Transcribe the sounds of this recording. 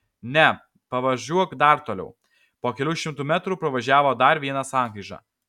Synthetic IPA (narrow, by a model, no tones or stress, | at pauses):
nʲɛ | pɐʋɐʒʲuɔkd̪ɐɾt̪oːlʲɛ̰ʊ | poːkʲɛlʲuʃʲɪmt̪umʲæt̪ɾupɾɐʋɐʒʲæːʋoːd̪ɐɾʋʲiɛnɐsɑˑŋkʲiɪʒɑ̰ː